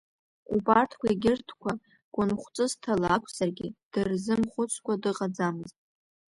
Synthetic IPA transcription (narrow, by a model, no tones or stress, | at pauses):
ubartʰkʷʰaeɡʲɪrtʰkʷa | ɡ̥ʷʼʊnχʷt͡sʼɨztʰalakʷʰz̥arɡʲɪd̥ɨrzɨmχʷʊt͡sʷʰkʷadɨqʼad͡zamɨztʼ